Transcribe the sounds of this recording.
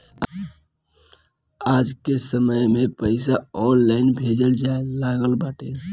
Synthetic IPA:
aːd͡ʒkesəməjmẽpəɪsaɔːnlaɪnbʱed͡ʒəld͡ʒaelaːɡəlbaːʈʰe

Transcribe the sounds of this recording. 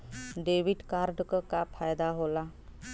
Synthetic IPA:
ɖeːʋiɖkaɾɖkəkapʰajd̪aɦola

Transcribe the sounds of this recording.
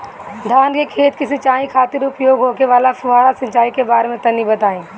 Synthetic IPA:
d̪ʱaːnkekʰeːt̪kisɪt͡ʃaːĩkʰaːt̪ɪɾʊpjoːɡɦoːkeʋaːlafʊɦaːɾasɐ̃ɲt͡ʃaːikebaːɾemẽt̪ɐnibɐt̪aːẽː

